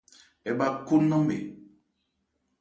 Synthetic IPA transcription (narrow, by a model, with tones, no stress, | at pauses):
ɛ˨ɓa˨ku˦nːɔ˦m̩˦bḛ˨